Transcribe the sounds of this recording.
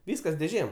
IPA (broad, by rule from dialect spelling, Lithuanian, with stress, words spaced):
ˈʋʲiːskɐs dʲeːˈʒʲeːm